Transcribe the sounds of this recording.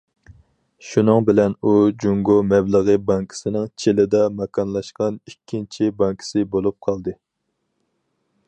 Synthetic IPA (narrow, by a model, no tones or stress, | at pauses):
ʃunɨŋbɪlɛnud͡ʒuŋɡomɛbləʁəbɑŋkʰi̥sɪnɪŋt͡ʃʰelɪd̪ɑmɑkʰɑnlˠɑʃqɑnikʲʰːint͡ʃʰibɑŋkʰi̥sɪbolˠup̚qʰɑlˠd̪ɨ